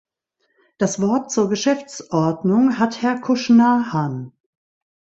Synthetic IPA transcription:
d̥asv̥ɔɐt̚t͡suːɐɡəʃɛft͡sʔɔɐdnʊŋɦathɛɐkʰʊʃnahan

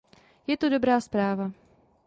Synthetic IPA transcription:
jɛt̪odobɾaːspɾaːva

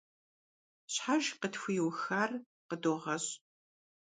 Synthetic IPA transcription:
ɕħaʒqətfʊjwxaːr | qədoːʁɐɕ

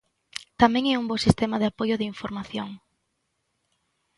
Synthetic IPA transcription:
t̪amɛ̃ŋeumbosist̪emaðeapojʊðɪiɱfoɾmaθjoŋ

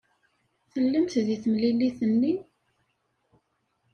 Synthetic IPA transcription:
θəlːəmt̪ðiθəmlilːiθənːi

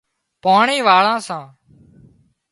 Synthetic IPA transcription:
paːɳiːʋaːɭãːsãː

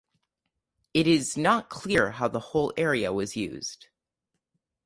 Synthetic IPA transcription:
ɨɾɪznət̚kʰl̥ɪɹɦaʊðəhoʊlˠɛɹiɨ̰wʌzjʉ̰z̥d̥

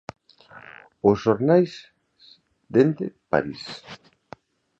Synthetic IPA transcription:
osʃoɾnajs | d̪end̪epa̰ɾis

